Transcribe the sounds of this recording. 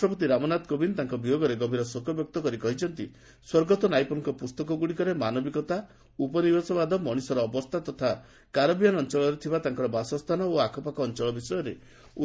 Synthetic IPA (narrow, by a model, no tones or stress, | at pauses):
ɔpɔt̪̬iɾamɔnad̪kobint̪aŋkɔbijoɡɔɾeɡɔbʱiɾɔsokɔbjɔk̚t̪ɔkɔɾikɔɦit͡ʃʰɔnt̪i | swɔɾɡɔt̪ɔnajpɔnŋkɔpust̪ɔkɔɡuɽikɔɾemanɔbikɔt̪a | upɔnibesɔbad̪ʱɔmɔɽ̃isɔɾɔːbɔst̪ʰat̪ɔt̪ʰa | kaɾɔbijanɔnt͡ʃɔɭɔɾet̪ʰibat̪aŋkɔɾɔbasɔst̪ʰanɔoakʰɔpakɔːnt͡ʃɔɭɔbisɔjɔɾe | u